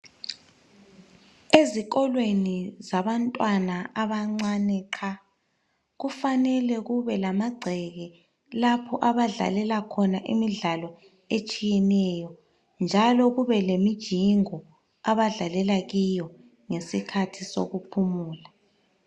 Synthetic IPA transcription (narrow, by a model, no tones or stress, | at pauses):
eziɣɔlwenizaβantʼwanaaβaŋ͡ǀanɛːǃʰa | ɣufanɛlɛɣuβɛlamaɡ͡ǀʱɛɣɛ | lapʰɔʔaβaɮa̰lɛlakʰɔnaʔḭmiɮalɔ | et͡ʃʼijɛnɛjɔ | nd͡ʒʱalɔɣuβɛlemid̥ʒ̥ʱiŋɔ | aβaɮalɛlaɣijɔ | ŋesikʰatʰiso̰ɣupʰumuːla